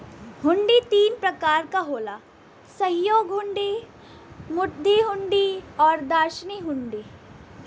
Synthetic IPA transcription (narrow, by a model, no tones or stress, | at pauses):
ɦʊ̃ɳɖit̪iːnpɾɐkaːɾkaɦoːlaː | sɐjoːɡɦʊ̃ɳɖi | mʊɾd̪ʱiɦʊ̃ɳɖiɔːɾd̪aːɾʃniɦʊ̃ɳɖiː